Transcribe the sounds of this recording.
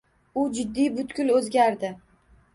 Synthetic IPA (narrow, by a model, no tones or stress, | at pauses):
ʊd͡ʒɪd̪ːijbʊt̪kʲʊlɵzɡʲaɾd̪ɪ